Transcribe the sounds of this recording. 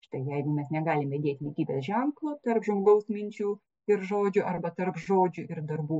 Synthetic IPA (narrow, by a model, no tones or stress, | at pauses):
ʃt̪ɐɪjɛɪɡʊmʲɛsnʲɛɡɑːlʲɪmʋʲɛd̪ʲeːt̪ʲlʲikʲiːbʲeːsʒʲɛŋklˠoːt̪ɐrpʒmoːɡɐʊsmʲɪnʲt͡ʃʲuː | ɪɾʒoːd͡ʒʲʊʔɐrbɐt̪ɐrpʒoːd͡ʒʲuʔɪrd̪ɐrbuː